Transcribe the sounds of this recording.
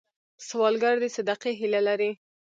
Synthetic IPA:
swɑlɡaɾd̪əsad̪aqeɦilalaɾi

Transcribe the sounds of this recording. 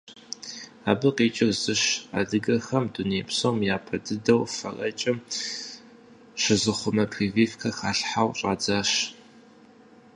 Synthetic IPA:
aːbɨqiːt͡ʃʼɪrzɨɕa̰dɨɡɐxɐmduneːpsowmjaːpʰɐdɨdɐwfɐrɐ̰t͡ʃʼɪm | ɕɪzɨχʷʊmɐpʰriːviːfkʰɐxaːɬħawɕʼa̰ːd͡zaːɕ

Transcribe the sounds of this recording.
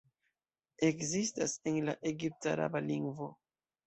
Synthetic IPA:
e̞kzistase̞nlaʔe̞ɡip̚taɾa̰baliŋɡvo̞

